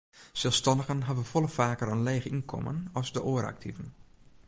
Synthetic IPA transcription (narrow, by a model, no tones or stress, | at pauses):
sɛlˠstɑndəɣənɦaʋəfɔlˠəfaːkərənleːɣəinkʰɔ̰mə̰nɔzdəʔoːɾa̰k̚tʰivən